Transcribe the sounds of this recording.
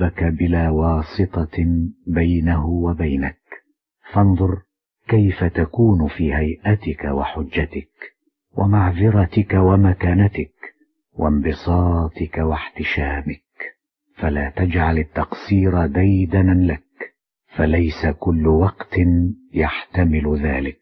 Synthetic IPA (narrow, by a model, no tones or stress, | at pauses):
akabɪlaːwɑːsˤɨt̪ˤɑbajnaɦʊwabajnak | fɑnðˤʊɾ | kajfat̪akuːnfiːhajʔat̪ɪkawaħʊd͡ʒːat̪ɪk | wʔamaʕðɪɾˤɑt̪ɪkawamakaːnat̪ɪk | wʔa̰mbɨsˤɑːt̪ɪkawaħt̪ɪʃaːmɪk̚ | falaːt̪ad͡ʒʕalat̪ːɑqsiːɾad̪ajd̪anlak | falajsakʊlːʊwɑqt̪ɪnjaħt̪amɪlʊðaːlɪk̚